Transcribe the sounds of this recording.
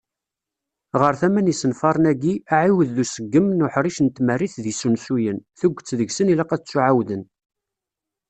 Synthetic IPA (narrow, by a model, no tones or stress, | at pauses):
ʁəɾθæmænisənfɑɾˤnæɡiæʕiwəðːusəɡːəmnʊħɾiʃənt̪mərːiθðisunsujənθuɡʷːt͡sːðəɡsənilæqæt͡sːuʕawðən